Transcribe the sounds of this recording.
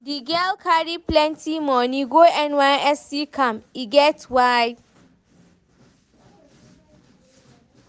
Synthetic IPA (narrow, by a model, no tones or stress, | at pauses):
diɡɛlkʰaɾipʰlɛ̃ntʰimɔ̃nĩɡoɛ̃nwãɛsikʰãmiɡɛtwaj